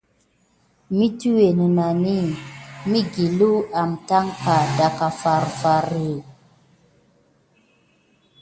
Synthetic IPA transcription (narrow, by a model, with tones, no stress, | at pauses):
mi˦tu˦we˨nə˨na˨ni˦˨mi˦ɡi˨lu˦a˨mta˦ŋka˨da˨ka˨fa˨ɾfa˨ɾe˨